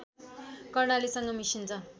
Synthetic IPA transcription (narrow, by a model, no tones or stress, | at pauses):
kʌrnalisʌŋɡʌmisint͡sʰʌ